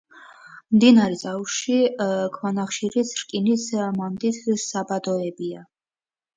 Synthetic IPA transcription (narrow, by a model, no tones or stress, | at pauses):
md̪inaɾɛzʼauʃikʰmanaχʃiɾisɾkʼinismamd̪it̪ʰsabad̪ɔɛbia